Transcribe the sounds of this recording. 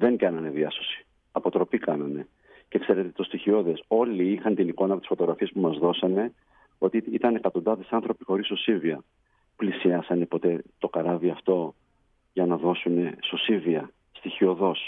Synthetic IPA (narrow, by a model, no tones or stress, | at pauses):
ðe̞ŋɡɐnɐne̞ðiɐso̞si̥ | ɐpo̞t̪ɾo̞pikɐnɐne̞ | ce̞kse̞ɾe̞t̪et̪o̞st̪içio̞ðe̞so̞liixɐnt̪iniko̞nɐpot̪isfot̪oɣɾɐfiespumɐzðo̞sɐne̞ | o̞t̪iit̪ɐnekɐt̪o̞nd̪ɐðe̞sɐnθɾo̞pixo̞ɾiso̞siviɐ | plisiɐsɐne̞po̞t̪e̞t̪o̞kɐɾɐviɐft̪o̞ | ʝɐnɐðo̞sune̞so̞siviɐ | st̪içio̞ðo̞s